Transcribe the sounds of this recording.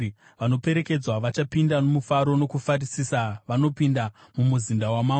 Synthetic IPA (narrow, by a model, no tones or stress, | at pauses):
ʋano̞pe̞ɾe̞ke̞d͡zwaʋat͡ʃapindanomufaɾo̞no̞kufarisisaʋano̞pindamumuzindawama